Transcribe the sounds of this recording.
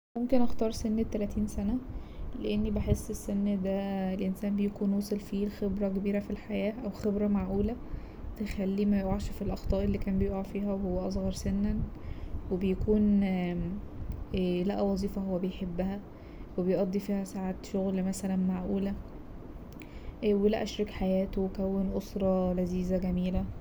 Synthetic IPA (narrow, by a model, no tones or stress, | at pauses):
momkenʔɑxt̪ˤɑːɾˤsenːet̪ːælæt̪ʰiːnsænæleʔenːibeħesːʔesːenːd̪æelʔensæːmbejækuːnwoːsˤelfiːxebɾækebiːɾæfilħajæːʔæwxebɾæmaʕʔuːlæ | t̪exælːiːmæjoʔaʕʃfilʔɑxt̪ˤɑːʔelːiːkæːmbejoʔafiːɦæwehowːæʔɑs̬ˤɣɑɾˤsenːænwebejækuːn | læʔæwɑzˤiːfɑhowːæbejħebːæhæ | webejʔɑd̪ˤːifiːhæsaʕaːt̪ʃoɣlmæsælænmaʕʔuːlæ | welæ̰ʔæʃɾekħajæːt̪owekæwːenʔosɾˤɑlæziːzæɡæmiːlæ